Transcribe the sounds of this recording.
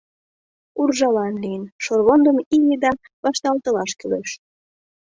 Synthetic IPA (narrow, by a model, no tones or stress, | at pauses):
urʒɑlɑnlijənʃorβond̪əmiled̪ɑ | βɑʃt̪ɑlt̪ɤ̆lɑʃkyleʃ